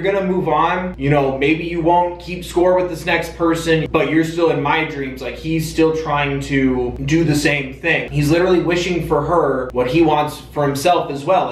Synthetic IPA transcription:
ə˞ɡʌnɨmuvn̩jɨɾ̃oʊmeɪbijɨwõʊ̃nkʰipskɔɹwɨðɪsnɛkspʰɜ˞sɨ̃nb̥ʌt͡ʃə˞stɪlˠə̃nmaɪdɹĩmzlaɪkhiz̥stɪlˠtʰɹ̥aɪɪ̃ŋtʰɨdɨðɨsẽɪ̃mθɪ̃ŋŋizlɪɾə˞l̩ˠiwɪʃɪ̃ŋfə˞ə˞wʌt̚hiwɑ̃ntsfə˞hɨ̃msɛlˠfɨzwɛlˠ

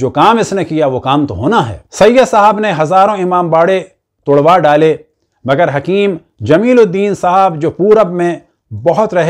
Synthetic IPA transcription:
d͡ʒoːkaːmɪsnekijaʋokaːmt̪oɦoːnaɦɛ̰ːsɐjasaɦabneɦɐzaːɾõɪmaːmbaːɽe | t̪oːɽʋaːɖaːle | mɐɡəɾɦɐkiːm | d͡ʒɐmiːlod̪iːnsaɦabd͡ʒoːpuːɾɐbmẽ | bɐɦʊt̪ɾɐɦ

